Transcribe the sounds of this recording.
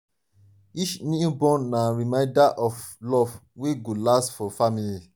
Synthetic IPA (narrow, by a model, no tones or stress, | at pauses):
it͡ʃnibɔ̃nnãɹimãɪ̃ndaʔɔflɔvweɡolastfɔfamili